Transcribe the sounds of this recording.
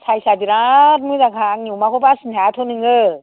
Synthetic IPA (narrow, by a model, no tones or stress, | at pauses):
sʰajsadiɾat̚mɯzakʰaŋɲiwmakʰobasɯnatʰonɯŋɯ